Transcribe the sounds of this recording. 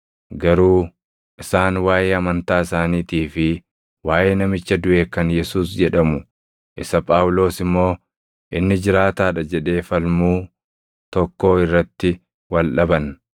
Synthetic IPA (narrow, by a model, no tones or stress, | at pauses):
ɡɐɾuː | ʔɪsaːnwaːjeːɐmɐnt̪aːɪsaːniːt̪iːfɪ | waːjeːnɐmɪt͡ʃːɐd̪ʊʔe̞ːkɐnjɛsuːsd͡ʒɛᶑɐmʊ | ʔɪsɐpʼaːwlo̞ːsɪmːo̞ː | ʔɪnːɪd͡ʒɪɾaːt̪aːᶑɐd͡ʒɛᶑe̞ːfɐlmuː | t̪ɔkːo̞ːɪrːɐt̪ːɪ | wɐlᶑɐbɐn